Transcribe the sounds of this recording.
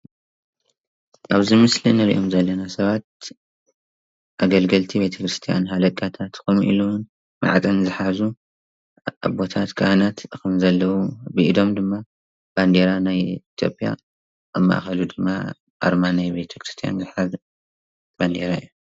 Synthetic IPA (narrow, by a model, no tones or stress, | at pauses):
ʔaβzimɨslinɨɾḭʔo̞mzɐlːɐnasɐβat̪̚ | ʔaɡɐlɡɐlt̪ʰibet̪ʰɐkɾɨst̪ʰija̰nɦalɐkʼat̪ʰat̪kʰomʔḭlown | ma̰ʕt͡sʼɐnzɨħazu | a̰bo̞t̪ʰat̪kʰahnat̪kɨmzɐlːɐwubɨʔid̪o̞md̪ɨmːa | b̥and̪eɾanajit̪ʰijo̞̰pʼija̰ | ʔamːa̰ʔxɐlud̪ɨmːa̰ | ʔa̰ɾmanajbet̪ʰɐkʰɾɨst̪ʰija̰nzɨħaz | band̪eɾaɨjːu